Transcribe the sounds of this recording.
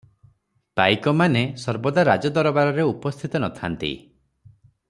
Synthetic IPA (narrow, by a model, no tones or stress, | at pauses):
pajkɔmanesɔɾbɔd̪aɾad͡ʒɔd̪ɔɾɔbaɾɔɾeupɔst̪ʰit̪ɔnɔt̪ʰant̪ḭ